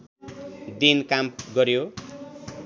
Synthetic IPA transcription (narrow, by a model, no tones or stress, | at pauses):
d̪inkamɡʌɾjo